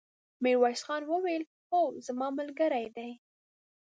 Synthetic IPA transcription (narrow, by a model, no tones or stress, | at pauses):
mɪɾwɑjsxɑnwəwel | xozamɑmʊlɡəɾajd̪aj